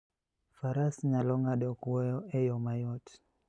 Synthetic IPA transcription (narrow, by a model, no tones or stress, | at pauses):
faɾasɲalɔŋadɔkwɔjɔɛjɔmajɔt